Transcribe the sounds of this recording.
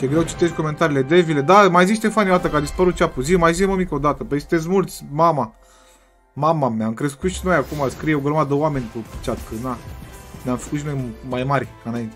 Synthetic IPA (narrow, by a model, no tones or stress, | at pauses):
ʃjeɡɾewt͡ʃi̥t̪e̞ʃ̬t̪ʲko̞me̞nt̪aɾiːle̞d̪evile̞d̪amajziʃ̬t̪e̞fanjod̪at̪əkad̪ispəɾut̪̚t͡ʃapuzimajziməmikəod̪at̪əpet͡ʃi̥t̪es̬mult̪sʲmama | mamameamkɾe̞skut̪ʃino̞jakumaskɾijeoɡɾəmad̪əoame̞nʲkupt͡ʃat̪kənanʲamfə̥kut̪ʃino̞jmajmaɾʲ | ɨnaint̪e